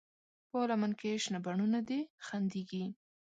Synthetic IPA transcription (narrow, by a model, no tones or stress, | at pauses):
polamankeʃnabaɳunad̪exand̪iɡi